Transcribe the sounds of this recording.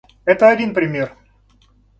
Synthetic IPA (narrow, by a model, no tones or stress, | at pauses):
ɛt̪əɐdʲinpɾʲɪmʲe̞r